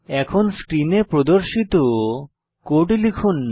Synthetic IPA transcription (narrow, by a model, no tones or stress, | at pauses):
ɛkʰonskɾinepɾod̪oɾʃit̪o | koʈlikʰunː